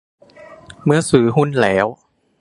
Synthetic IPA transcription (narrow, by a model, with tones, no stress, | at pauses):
mɯ˧ɐsɯː˩˦ɦu˧˥˨nlɛː˩˦w